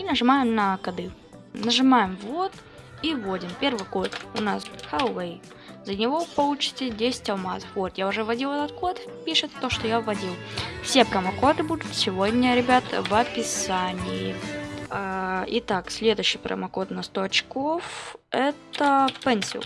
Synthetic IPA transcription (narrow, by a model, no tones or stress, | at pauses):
inəʐɨmajɪmnɐkɐd̪ɨ | nəʐɨmajɪmvo̞t̪ | ivo̞dʲɪmpʲe̞rvɨjko̞t̪ʊnasxɐlˠɛj | zənʲɪvo̞pɐlˠut͡ɕɪ̥t̪ʲɪdʲesʲɪ̥tʲɐlˠmazəfvot̪jaʊʐɛvɐdʲilˠɛt̪ət̪̚ko̞t̪pʲiʂɨt̪ːo̞ʂt̪ojavɐdʲilˠfsʲepɾəmɐko̞t̪ɨbud̪ʊt̪sʲɪvodʲnʲəɾʲɪbʲat̪əvɐpʲɪsanʲɪjɪ | ɪt̪aksʲlʲe̞d̪ʊjɕːɪjpɾə̰mɐko̞t̪nɐst̪o̞ɐt͡ɕko̞fɛt̪əpɛnʲsʲɪ̰ʊ̰